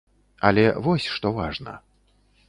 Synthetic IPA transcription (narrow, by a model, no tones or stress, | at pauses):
ɐ̰lʲɛvɔsʲʂt̪ɔvaʐnɐ̰